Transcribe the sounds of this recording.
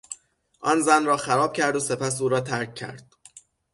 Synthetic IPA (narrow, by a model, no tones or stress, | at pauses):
ʔɒːnzænrɒːxæɾɒːb̥cʰæɾd̪ose̞pʰæs̬uːɾɒːt̪ʰæɾc̚ʰːæ̰ɾd̪̥